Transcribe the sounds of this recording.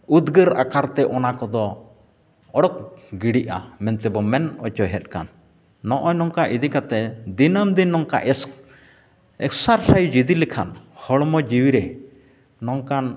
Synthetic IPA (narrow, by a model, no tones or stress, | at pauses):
ud̪ɡəɾa̰kaɾt̪ɛʔɔnakɔd̪ɔ | ɔɽɔk̚ɡiɽiʔa̰mɛnt̪ɛbɔmɛnɔt͡ʃɔjɦɛt̪̚ˀkanː | ɔʔɔjnɔŋkaʔid̪ikat̪ɛd̪inəmd̪inːɔŋka̰ʔɛs | ɛksaɾsajd͡ʒid̪ilikʰanhɔɽmɔd͡ʒiwiɾɛ | nɔŋkan